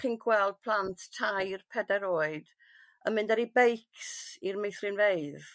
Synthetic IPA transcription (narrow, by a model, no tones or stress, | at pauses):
χɪnɡʰwɛlˠd̥̚pʰl̥ˠanttʰajrpʰɛdɛɾoːɨd̥ | əmɪ̃ndɛɾibejksirmejθrɨnvejð